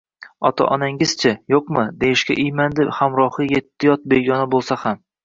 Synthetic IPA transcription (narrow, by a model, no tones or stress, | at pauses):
ɒt̪ʰa̰ʔɒnaŋɪz̥t͡ʃʰɪjoqmɨd̪ejɪʃkʲa̰ʔɪjmand̪ɪhamɾɒhɨje̞t̪ʰːɪjɒt̪̚beɡʲɒnabolˠsaham